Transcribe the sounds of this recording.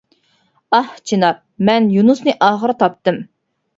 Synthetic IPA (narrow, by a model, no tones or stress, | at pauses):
ɑht͡ʃʰinɑɾ | mɛnjunusnɨʔɑːʁəɾt̪ʰɑp̚t̪ɨm